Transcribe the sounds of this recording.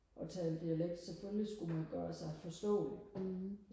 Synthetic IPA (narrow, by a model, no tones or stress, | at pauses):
ʔɒ̽t͡sʰɛːeld̥iæleɡ̥̚d̥seføllisɡ̥umænɡ̥ɶːɐsɑ̈ɪfɒ̽sd̥ɔ̰̽ːde